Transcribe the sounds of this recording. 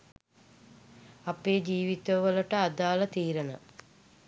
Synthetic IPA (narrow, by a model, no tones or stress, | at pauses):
apeːd͡ʒiːʋit̪əʋələʈəad̪aːlət̪iːɾənə̰